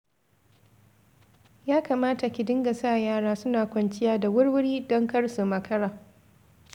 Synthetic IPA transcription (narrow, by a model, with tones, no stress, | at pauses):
jaː˦kaː˨maː˦ta˨kʲɪ˨dɪ˦ŋɡa˨saː˦˨jaː˦ɽaː˦sʊ˦naː˨kʷɐ˨nt͡ʃɪ˦jaː˦da˨wʊ˦ɽwʊ˦ɽiː˦dɔ˦ŋkɐ˦rsu˨mɐ˨kʰɐ˦ɽaː˨